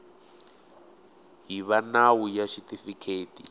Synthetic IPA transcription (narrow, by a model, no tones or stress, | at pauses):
ɦiβanawujaʃitʼifikʰeːtḭ